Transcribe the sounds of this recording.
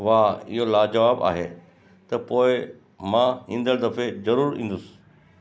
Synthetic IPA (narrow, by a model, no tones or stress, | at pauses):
ʋaːɪ̰ɦolaːd͡ʑɐʋaːba̰ːɦeː | t̪ɐpoːɪ | mãĩːn̆d̪əɽd̪ɐfezɐɾuːɾḭ̃ːn̆d̪ʊsɪ̥